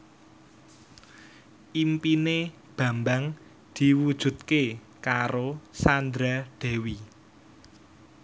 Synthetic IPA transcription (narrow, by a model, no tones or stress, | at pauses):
ʔimpine | b̥ä̤mbaŋ | d̪̥i̤wud̥ʒ̥ṳt̪̚ke | kaɾosand̪ɾaɖ̪̥e̤wi